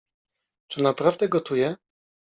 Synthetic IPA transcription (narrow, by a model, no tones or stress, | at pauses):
t͡ʂɘnapɾavd̪ɛɡɔt̪ujɛ